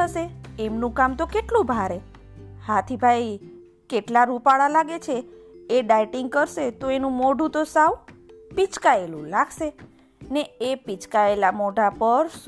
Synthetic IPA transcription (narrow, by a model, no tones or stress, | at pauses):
əʃeemnũkamt̪okeʈlũbʱaɾe | hat̪ʰibʱaj | keʈlaɾupaɭalaɡet͡ʃʰeːɖajʈiŋɡ̚kəɾʃet̪oenũmoɖũt̪osaʋpit͡ʃkaelṵ̃laɡʃe | neepit͡ʃkaelamoɖapəɾ